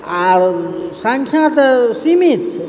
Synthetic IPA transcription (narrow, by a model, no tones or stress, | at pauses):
aɾsəŋkʰjãt̪simit̪